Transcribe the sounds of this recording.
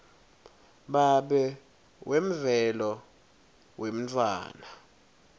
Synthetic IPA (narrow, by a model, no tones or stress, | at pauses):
ɓaɓɛ | wem̩vɛlɔ | wem̩t͡fʰʼwa̰ːna